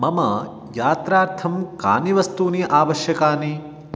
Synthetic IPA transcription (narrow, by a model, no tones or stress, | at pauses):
mɐmɐ | jaːt̪ɾaːɾt̪ʰɐmka̰ːniʋɐst̪uːniʔaːʋɐʃjɐkaːni